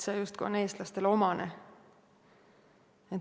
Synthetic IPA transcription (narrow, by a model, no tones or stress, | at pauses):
sejust̪̚kuone̞ːst̪lɑst̪e̞lo̞mɑne | et̪